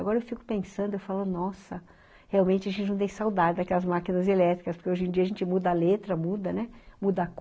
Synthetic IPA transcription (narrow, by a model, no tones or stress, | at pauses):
ɡɔɾɐewfikʊ̥pẽsɐ̃nd̪ʊewfalonɔsɐ | heawmẽnt͡ʃɪɐʒẽt̪t͡ʃɪnɐ̃t̪ẽj̃sawd̪ad͡ʒɪd̪ɐakɛlɐzmakinɐzelɛt̪ɾikɐspoɾkeoʒẽd͡ʒiɐaʒẽnt͡ʃɪmud̪ɐlet̪ɾɐmud̪ɐnɛmud̪ɐk